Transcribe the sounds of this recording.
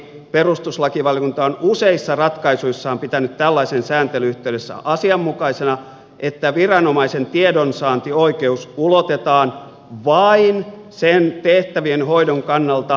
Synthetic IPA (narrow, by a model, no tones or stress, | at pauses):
perust̪uslɑkiʋɑljokunt̪ɑonuseisːɑrɑt̪kɑisuisːɑːmpit̪ænyt̪t̪ælːɑisensæːnt̪elyyht̪eydesːæ̰ʔɑsiɑmːukɑisenɑ | ʔet̪ːæʋirɑnomɑisent̪iedonsɑːnt̪ioikeusulot̪et̪ɑːn | ʋɑinsent̪eht̪æʋienhoidoŋkɑnːɑlt̪ɑ